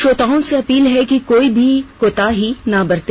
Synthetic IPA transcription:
ʃoːt̪aːõseɐpiːlɦɛkikoːibʱikoːt̪aɦinabɐɾt̪e

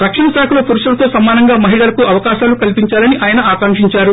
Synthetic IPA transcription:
ɾɐkʂɐnɐsaːkʰulɐpuɾuʂɐlɐt̪o̞ːsɐmaːnɐŋɡaːmɐɦiɭɐlɐkuɐʋɐkaːʃaːlukɐlpiɲt͡ʃaːlɐniʔaːjɐnɐaːkɐŋkʂiɲt͡ʃaːɾu

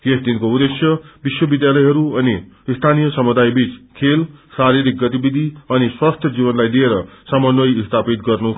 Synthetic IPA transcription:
kesd̪inkoud̪esjʌbiswʌbid̪jalʌjɦʌɾuʌni | st̪ʰanijʌsʌmud̪ajbit͡skʰelsaɾiɾik̚ɡʌt̪ibid̪ʱiʌniswast̪ʰjʌd͡zibʌnlajd̪ieɾʌsʌmʌnwʌjist̪ʰapit̪ɡʌrnu

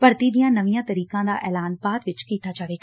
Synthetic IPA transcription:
pɐɾt̪id̪ijãnɐʋijãt̪ɐɾiːkãd̪aːʔɛːlaːnpaːt̪ʋɪt͡ʃkiːt̪ʰat͡ʃaʋe

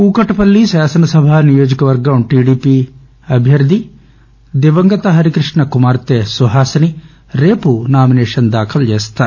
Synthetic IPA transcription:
kuːkɐʈɐpɐlːiʃaːsɐnɐsɐbʱaːnijoːd͡ʒɐkɐʋɐɾɡɐʈiːɖiːpi | ɐbʱjɐɾd̪ʱi | d̪eʋɐŋɡɐt̪ɐɦɐɾikɾiʂɳɐkumaːɾt̪esuɦaːsɐni | ɾeːpunaːmineːʂɐnd̪aːkʰɐld͡ʒeːst̪aːɾ

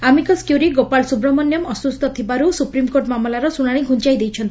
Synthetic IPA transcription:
amikɔskjuɾiɡopalsubɾɔmɔnjɔmɔsust̪ɔt̪ʰibaɾusupɾimkoɾʈmamɔlaɾɔsuɽ̃aɽ̃iɡʱunt͡ʃajd̪ejt͡ʃʰɔnt̪i

